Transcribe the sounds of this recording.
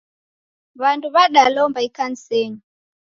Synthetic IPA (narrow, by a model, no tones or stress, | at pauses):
βanduβaɗalɔmbaikan̩sɛŋu